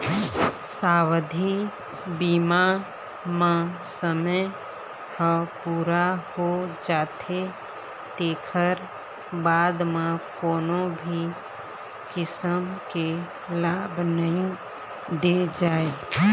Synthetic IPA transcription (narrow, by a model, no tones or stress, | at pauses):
saːwəd̪ʱi | biːma | mãsəməj | həpuːɾahod͡ʒaːt̪ʰe | t̪eːkʰəɾ | baːd̪mãkoːnõbʱi | kɪsəmke | laːbnəɦĩ | d̪ed͡ʒaːe